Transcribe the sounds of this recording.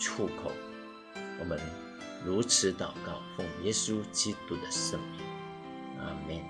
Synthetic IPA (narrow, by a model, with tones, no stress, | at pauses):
ʈ͡ʂʰu˥˩kʰo̰˨˩˦ʊ | wɔ˨˩mə˨˦n | ɻu˧˥t͡sʰɻ̩˨˧˦t̪ɑ˨˩ʊkɑ˥˩ʊfʊ˥˩ŋjɛ˥su˦t͡ɕi˥t̪u˥d̪ə˨ʂə˥˧ŋmi˨˦ŋ | ʔa̰˨mɛ˥˨n